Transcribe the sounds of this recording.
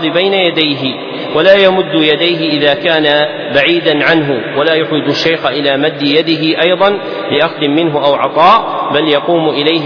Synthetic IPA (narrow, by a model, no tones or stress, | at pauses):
ðbajnajad̪ajɦɪ | walaːjamʊd̪ːʊjad̪ajɦɪʔɪðaːkaːna | baʕiːd̪anʕanɦʊwalaːjʊħwɪd͡ʒ̪ʊʃːajxaʔɪlaːmad̪ːɪjad̪ɪɦɪʔɑjðˤɑn | lɪʔaxd̪ɪmmɪnɦʊʔawʕɑt̪ˤɑːʔbaljɑquːmʔɪlaj